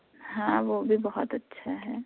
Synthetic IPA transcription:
ɦãːʋobʱibɔɦɔt̪ɐtːʃʰaɦɛː

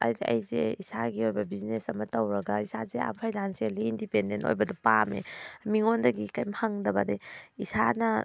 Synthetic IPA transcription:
ɐ̰jɐ̰jzeisaɡiojbɐbiznesɐmɐtɐwɾɐɡaisazea̰mpʰajdanselindipendento̰jbɐdupamḛmiŋondɐɡikajmhaŋdɐbɐdejisanɐ

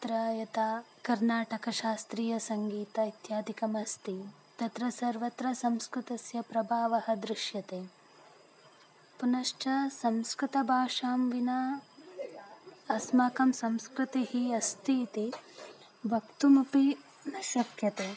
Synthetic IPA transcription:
t̪ɾajɐt̪aː | kɐɾnaːʈɐkɐʃaːst̪ɾiːjɐsɐŋɡiːt̪ɐit̪jaːd̪ʱikɐmɐst̪i | t̪ɐt̪ɾɐsɐɾʋɐt̪ɾɐsɐmskɾut̪ɐsjɐpɾɐbʱaːʋɐhɐd̪ɾɪʃjɐt̪eː | punɐʂʈɐsɐmskɾut̪ɐbʱaːʂaːmʋinaː | ɐsmaːkɐmsɐmskɾut̪ihiɐst̪iːt̪i | bʱɐkt̪umupi | nɐʃɐkjɐt̪eː

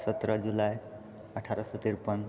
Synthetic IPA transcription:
sʌt̪ɾɔd͡ʒulaj | əʈʰaɾɔsɔt̪iɾpɔn

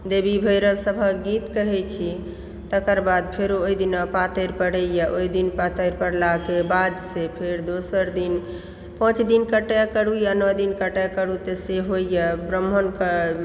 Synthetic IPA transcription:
d̪ebibʱəjɾəbsəbʱəɡit̪kəɦɛt͡ʃʰi | t̪əkəɾbad̪pʰeɾoojd̪inɔpat̪əɾpəɽəjəʔojd̪inpat̪əɾpəɾlakebad̪sepʰeɾd̪osəɾd̪in | pə̃t͡ʃd̪inkəʈəkəɽujanɔd̪inkəʈəkəɽut̪eseɦojjəbɾəmənkə

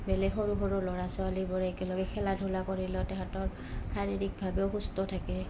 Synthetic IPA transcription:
bɛlɛxoɹuxoɹʊlɔɹasɔalibɔɹɛɛkɛlɔɡɛkʰɛladʱulakoɹilɔtɛɦatɔɹ | xaɹiɹik̚bʱabeʊxustɔtʰakɛ

